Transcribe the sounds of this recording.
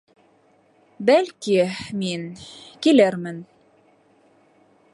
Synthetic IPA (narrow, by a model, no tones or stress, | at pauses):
bælkiminkilæɾmɘn